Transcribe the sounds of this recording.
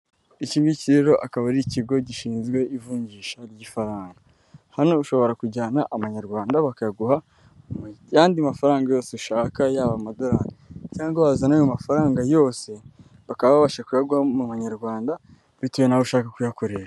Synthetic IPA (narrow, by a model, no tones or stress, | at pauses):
iciːmiciɾeɾo̞ʔakaβaɾiciɡo̞ɟiʃiːnzɡwe̞ʔivuːɲɟiːʃaɾɟifaɾaːŋɡa | hano̞uʃo̞βo̞ɾakuɟaːnaʔamaɲaɾɡwaːndaβakajaɡuha | jaːndiamafaɾaːŋɡajo̞ːseuʃaːkajaːβamado̞ɾaɾicaːŋɡoβazanajomafaɾaːŋɡajo̞ːse̞ | βakaβaβaβaʃakujaɡuhamumaɲaɾɡwaːnda | βituβenauʃaːkakujako̞ɾe̞ɾa